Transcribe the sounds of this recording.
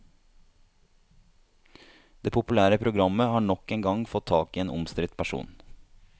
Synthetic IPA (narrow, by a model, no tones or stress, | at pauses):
d̪̥eːpʰʊpʉlæːɾəpʰɾʊɡɾɑməhɑːɳɔkeːŋɡɑŋfɔt̪ʰːɑːkiːeːnʔʊmst̪ɾɪt̪pʰæʃṵːn